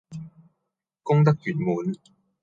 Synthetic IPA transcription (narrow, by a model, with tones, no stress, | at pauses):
kʊ˥ŋt̪̬ɐ˥k̚jyː˨˩nmuː˨˦n